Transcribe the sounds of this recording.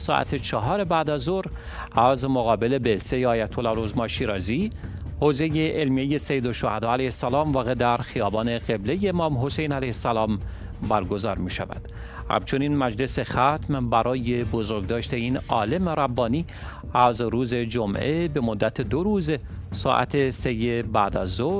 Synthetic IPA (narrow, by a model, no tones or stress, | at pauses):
sɒ̰ʔæ̰t̪ʰet͡ʃʰɒɦɒːɾe̞bæd̪æzoɾ | æzmoɣɒːbe̞le̞bese̞jeɒːjæt̪ʰolɒɾozmɒʃiːɾɒːziː | hoːze̞jeʔelmieje̞sejeːd̪oʃːohæd̪ɒːælæjhesːælɒːmvɒːɣed̪æɾxijɒːbɒːne̞ɣ̥e̞blejeːmɒːmɦo̞sejnælæjhesːælɒːm | bæɾɡo̞zɒ̰ːɾmiːʃæ̰væ̰d̪̥ | hæ̰mt͡ʃʰo̞niːnmæd͡ʒle̞se̞xæt̪ʰmbæɾʔɒːje̞bozoɾɡd̪ɒːʃt̪e̞iːnɒ̰ːle̞meɾæbːɒːniː | æzɾuːze̞d͡ʒomʔe̞be̞mod̪ːæt̪ʰed̪oɾuːz | sɒ̰ːʔæ̰t̪ʰe̞se̞jebæːd̪æ̰zːo